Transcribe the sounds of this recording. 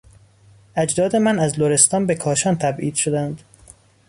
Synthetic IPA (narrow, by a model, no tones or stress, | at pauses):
æd͡ʒd̪ɒːd̪e̞mænæzloɾe̞st̪ɒːnbekʰɒːʃɒːnt̪ʰæbʔiːd̪̥ʃod̪ænd̪̥